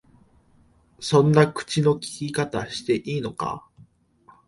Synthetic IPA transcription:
sõ̞nːakɯ̟̥t͡ɕino̞kʲi̥kʲikat̪aɕi̥t̪e̞ʔiːno̞ka̰

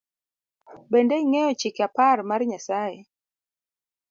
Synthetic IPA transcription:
bendeiŋɛjɔt͡ʃɪkaparmarɲasaje

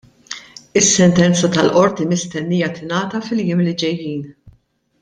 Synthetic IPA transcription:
ɪsːɛnt̪ɛnt͡sɐt̪ɐlʔɔɾt̪imɪst̪ɛnːijɐt̪ɪnɐːt̪ɐfɪljɪmlɪd͡ʒɛjːiːn

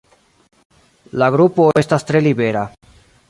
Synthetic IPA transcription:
laɡɾupoest̪ast̪ɾelibeɾa

